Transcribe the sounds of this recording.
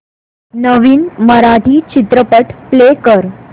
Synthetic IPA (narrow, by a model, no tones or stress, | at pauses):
nəʋiːnməɾaʈiːt͡ɕit̪ɾəpəʈplekəɾ